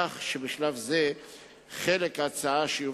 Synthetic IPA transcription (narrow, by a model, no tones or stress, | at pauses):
aχʃebɪʃlavze | χelekaːt͡saaʃeju